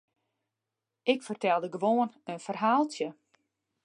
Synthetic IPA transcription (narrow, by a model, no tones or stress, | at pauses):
ɪkfərtɛlˠdəɡəʋoːənənfərɦaːlˠtjə